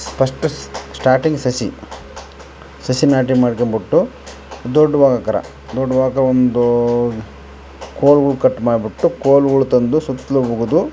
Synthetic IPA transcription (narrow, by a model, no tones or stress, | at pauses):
spʰɐʂʈɐsʈaːɾʈiŋɡsɐsḭ | sɐsinaːʈ̬imaːɽikɐmbiʈːu | d̪ɔɖːʋaːɡɐkɐɾɐ̰ | d̪ɔɖːɐʋaːɡɐkɐɾɐond̪u | koːlɡɐɭukɐʈːmaːɖibiʈːukoːlɡɐɭut̪ɐnd̪usut̪ːlobuɡud̪u